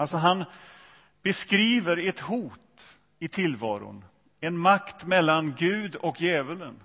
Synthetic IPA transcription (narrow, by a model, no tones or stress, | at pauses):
alsɔɦan | b̥ɛskɾiːvəɾɛt̪huːt̪ | ɪt̪ʰɪlvɑ̰ːɾʊ̰n | ɛnmakt̪mɛlːanɡʉ̟ːd̪ɔkjɛːvələn